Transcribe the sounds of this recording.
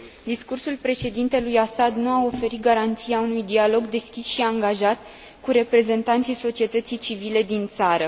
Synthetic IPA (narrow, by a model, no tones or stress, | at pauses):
d̪iskursulpɾe̞ʃe̞d̪int̪e̞lujasad̪nuao̞fe̞ɾit̪̚ɡaɾant̪sijaunujd̪ialo̞ɡd̪e̞skʲisʃiaŋɡaʒat̪̚ | kuɾe̞pɾe̞ze̞nt̪ant̪sijso̞t͡ʃie̞t̪ət̪sijt͡ʃivile̞d̪int̪saɾə